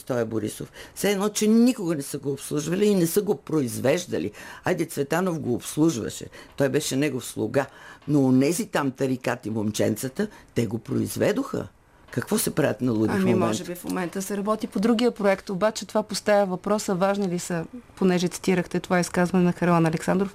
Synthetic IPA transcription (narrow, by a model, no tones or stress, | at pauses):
st̪ɔjɐboɾḭsofsɛɛd̪nɔt͡ʃɛnikoɡənɛsəɡoːpslˠuʒvɐliːnɛsəɡopɾoizvɛʒd̪ə̰lḭajd̪ɛt̪svɛt̪anofɡoːpslˠuʒvə̰ʃɛ̰t̪ɔjbɛʃɛnɛɡofslˠoɡanoːnɛzit̪amt̪ɐɾikat̪imomt͡ʃɛ̰nt̪sət̪ət̪ɛɡopɾo̰ḭzvɛd̪oxə̰ | kɐkvɔsɛpɾavʲət̪nɐlˠud̪iɐfmimɔʒɛbifmo̰mɛnt̪əsɛɾɐbɔt̪ipod̪ɾuɡ̟ijəpɾoɛkt̪obat͡ʃɛt̪ovapost̪avʲəvɐpɾɔsəvaʒnilisəponɛʒɛt̪si̥t̪iɾəxt̪ɛt̪ovaiskazvɐnɛnɐxɐɾlˠanɐlɛksand̪ɾof